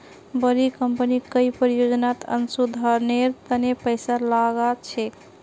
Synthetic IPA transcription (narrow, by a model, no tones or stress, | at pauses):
bəɾikəmpənikəipəɾijod͡ʒnat̪ə̰nsud̪ʱaɾneɾt̪ənepəɪsalaɡat͡ʃʰɛ